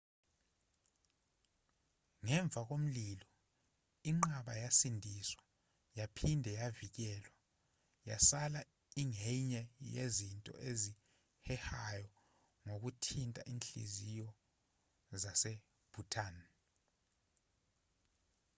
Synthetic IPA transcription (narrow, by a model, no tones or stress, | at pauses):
ŋɛɱb̪vʱak̬om̩lilɔ | iŋ͡ǃaɓajasindʱiswa | japʰindʱɛjavik̬ɛːlwa | ja̰sala | iŋɛɲɛjezintʼɔ̰ʔezi | hɛhajɔ | ŋok̬utʰintʼa̰ʔinɬḭzijɔ | zasɛ | b̥ʱutʰʼan